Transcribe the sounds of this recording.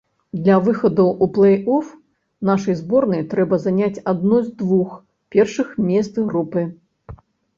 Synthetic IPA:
d̪lʲɐvɨxɐd̪ɐwʔuplˠɛjɔf | naʂɐjzbɔrnɐjt̪ɾɛbɐzanʲat͡sʲad̪nuzd̪vux | pʲɛrʂɨxmʲɛst̪sɣɾupɨ

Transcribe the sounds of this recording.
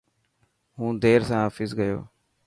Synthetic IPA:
ɦũːd̪eːɾsãːɦaːfɪzɡəjo̰ː

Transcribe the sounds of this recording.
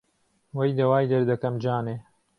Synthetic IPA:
wɐjd̪ɐwaːjd̪ɐɾd̪ɐkɐmd͡ʒaːneː

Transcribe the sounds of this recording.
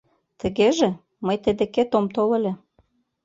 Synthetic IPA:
t̪ə̆ɣeʒĕ | məjt̪əd̪ĕket̪omt̪olĕlʲe

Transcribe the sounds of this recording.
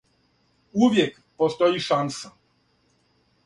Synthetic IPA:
uvʲjɛk | pɔst̪ɔjiʂansa

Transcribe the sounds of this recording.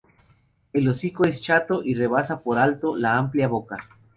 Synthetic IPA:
e̞losikoe̞st͡ʃat̪oʔire̞βasapo̞ɾalt̪o̞laampljaβo̞ka

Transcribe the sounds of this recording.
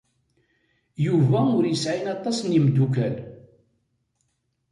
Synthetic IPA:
juvæʊɾjəsʕinɑt̪ˤːɑsˤnimd̪ukæl

